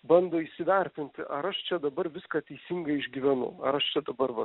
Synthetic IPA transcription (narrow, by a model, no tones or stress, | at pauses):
bɐnd̪oːisʲɪʋʲɛɾʲt̪ʲɪnʲt̪ʲɪʔɐɾɐʃt͡ʃʲɛd̪ɐbɐɾʋʲɪskɑːt̪ʲɛɪsʲiŋɡɐɪɪʒʲɡʲiʋʲɛnʊ̰ɐ̰ɾɐʃt͡ʃʲɛd̪ɐbɐɾʋɐ